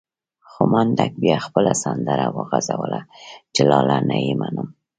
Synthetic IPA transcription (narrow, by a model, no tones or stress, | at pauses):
xʊmand̪ak̚bjɑxpəlasand̪əɾawəɣazawəlat͡ʃelɑlanajimanəm